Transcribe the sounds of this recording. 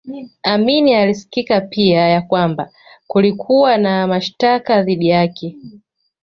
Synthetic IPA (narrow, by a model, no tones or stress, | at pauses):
aminialisi̥kikapiajakwamba | kulikʰuwanamaʃtakaðiɗijakɛ